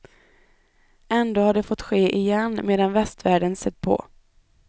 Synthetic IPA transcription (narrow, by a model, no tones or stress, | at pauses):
ɛnd̪oːhaɖɛfɔt̪ːɧeːʔɪjɛnːmeːd̪anvɛst̪væːɖənsɛt̪̚ːpʰɔ̰